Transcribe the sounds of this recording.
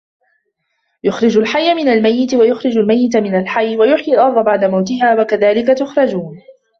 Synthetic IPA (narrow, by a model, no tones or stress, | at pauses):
jʊxɾɪd͡ʒalħajːʔamɪnalmajːɪt̪wajʊxɾɪd͡ʒalmajːɪt̪̬mɪnalħajːwajʊħjalʔɑɾˤd̪ˤɑbaʕd̪amawt̪ɪɦaːwakaðaːlɪkat̪ʊxɾˤɑd͡ʒuːn